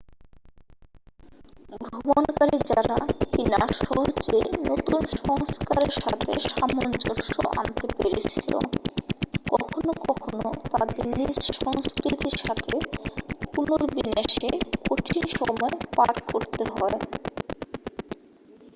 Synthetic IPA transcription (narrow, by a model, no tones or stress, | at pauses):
ɡɡɾɾuobonkaɾid͡ʑaɾakinaʃɔɦod͡ʑenot̪unʃɔŋskaɾeɾʃat̪ʰeʃamond͡ʑoʃoʔa̰nt̪epeɾet͡ɕʰilo̰ | kɔkʰonokɔkʰonot̪ad̪eɾnisʃɔŋskɾit̪iɾʃat̪ʰekunoɾbineʃekoʈʰinʃɔmɔepaʈkoɾt̪eɦɔe